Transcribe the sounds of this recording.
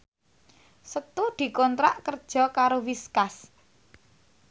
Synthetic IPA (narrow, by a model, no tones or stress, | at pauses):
sət̪ud̪̥i̤kɔnt̪ɾaʔkərd̥ʒ̥ɔ̤kaɾowiskas